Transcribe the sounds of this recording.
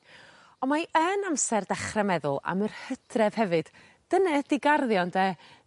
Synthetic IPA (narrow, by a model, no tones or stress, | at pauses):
ɔnmaənamsɛrdaχrɛmɛðʊ̰lˠa̰mərhədrɛv̥hɛvɨd̥ | d̥ənɛd̥ɪɡarðjɔndɛ